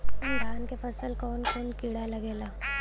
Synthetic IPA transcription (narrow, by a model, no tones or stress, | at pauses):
undʱaːnkepʰɐsəlkɔːnkoːnkiɽalɐɡeːlaː